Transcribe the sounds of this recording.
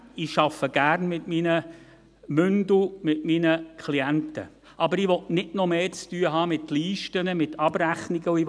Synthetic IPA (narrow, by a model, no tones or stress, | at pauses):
iʃɑfəɡ̥æːɾnmɪtminə | mʏndumɪtminəkʰliæntə̰ | ʔɑbəɾiʋɔtnɪdnɔmeːt͡styːəɦɑːmɪtliːʃtənəmɪtʰɑbɾæχniɡəui